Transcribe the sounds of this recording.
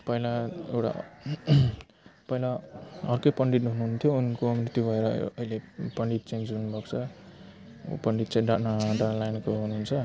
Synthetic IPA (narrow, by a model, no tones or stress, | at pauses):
pʌjlaewʈa̰ | pʌjlaʌrkʌjpʌɳɖiʈɦunuɦunt̪ʰjounkominit̪ibʱʌeɾʌʌilepʌɳɖit̪̚t͡send͡zɦunubʱʌkt͡sʰʌ | pʌɳɖit̪̚t͡sãj̃ɖaʈnaɖanlajnkoɦunuɦunt͡sʰʌ